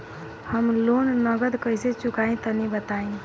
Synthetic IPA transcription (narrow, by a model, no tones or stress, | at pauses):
həmloːnnəɡəd̪kəiset͡ʃʊkaĩt̪ənibət̪aẽ